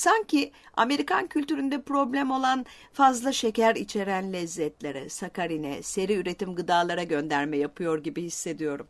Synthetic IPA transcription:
saɲcʰia̰me̞ɾikʰancʰylʲt̪yɾynd̪ɛpɾo̞blʲæmo̞lˠan | fazlˠaʃe̞cæɾit͡ʃʰe̞ɾænlʲɛzːɛt̪lʲe̞ɾɛ̰sakaɾinɛ̰se̞ɾiyɾe̞t̪imɡɯd̪aːlˠaɾaɟønd̪æɾmɛjapʰɯjo̞ɾɟibihisːe̞d̪ijo̞ɾum

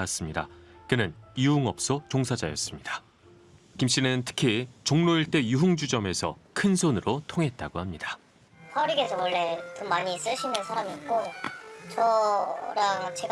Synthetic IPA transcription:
s͈ɯmɲida̰kɯnɯniuŋʌp̚s͈ot͡ɕoŋsʰad͡ʑa̰jʌs͈ɯmɲidḁ | kimɕ͈inɯntʰɯ̥kʰit͡ɕoŋnoiɭt͈e̞juɦuŋd͡ʑud͡ʑʌme̞sʰʌ̰kʰɯnsʰonɯɾʔotʰoŋɦe̞t̚t͈aɡohamɲidḁ | pʰʌɾiɡesʰʌwʌɭːe̞kɯmaɲis͈ɯɕʰinɯnsʰaɾamiːt̚k͈ot͡ɕʌɾaŋt͡ɕe̞ɡ

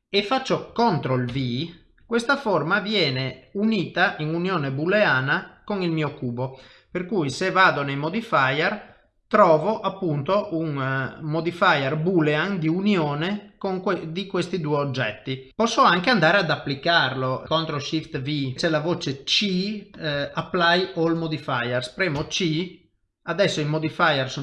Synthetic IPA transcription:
efːat͡ʃːokont̪ɾolvi | kwest̪aformavjɛːneuniːt̪aʔiŋunjoːnebulːeaːnakoŋilmiːokuːbo | perkujsevaːd̪onejmod̪ifajɛr | t̪ɾɔːvoʔapːunt̪oʔuŋmod̪ifajɛrbulːeaŋd̪iunjoːnekoŋked̪ikwest̪id̪uːeod͡ʒːɛt̪ːipɔsːoaŋkeand̪aːɾead̪apːlikarlokont̪ɾoʃift̪vit͡ʃɛlavoːt͡ʃet͡ʃi | apːlajolmod̪ifajɛrspɾɛːmot͡ʃi | ad̪ɛsːoimod̪ifajɛrs

